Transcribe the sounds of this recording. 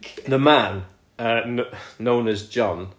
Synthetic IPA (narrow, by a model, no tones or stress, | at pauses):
ðəmãn | əː | õʊ̃nəzd͡ʒɒ̃n